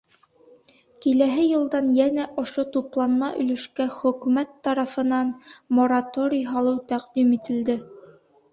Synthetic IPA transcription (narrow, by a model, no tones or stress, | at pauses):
kilæɦɘjɤ̆lˠd̪ɑnjænæʔŏʃot̪uplˠɑnmɑʔɵ̆lɘ̆ʃkæχɵ̆kʉmæt̪ːɑɾɑfɤ̆nɑnmoɾat̪oɾʲijɦɑlˠɤwt̪æqd̪imit̪ɘ̆ld̪ɘ